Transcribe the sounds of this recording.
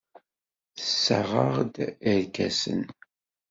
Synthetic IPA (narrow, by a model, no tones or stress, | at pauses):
θəsːəʁəʁd̪əɾkæsə̰n